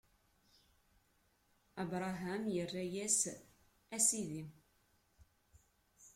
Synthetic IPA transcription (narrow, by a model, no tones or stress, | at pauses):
əbɾˤɑɦæmjərːæjæs | æsiði